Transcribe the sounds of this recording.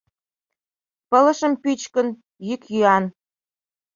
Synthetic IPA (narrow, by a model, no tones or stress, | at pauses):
pə̆lə̆ʃə̆mpyt͡ɕkə̆n | jykjyɑn